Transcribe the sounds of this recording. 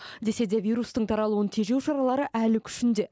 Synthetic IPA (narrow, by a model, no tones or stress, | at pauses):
d̪e̞se̞d̪e̞vʲijɾust̪əɴt̪ʰɑɾɑlˠuwənt̪ʰe̞ʒe̞wʃɑɾɑlˠɑɾəʔælɪkʲʰʏ̥ʃɪnd̪e̞